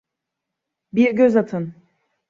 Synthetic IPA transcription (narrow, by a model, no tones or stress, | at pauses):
biɾɟøzat̪ʰɯn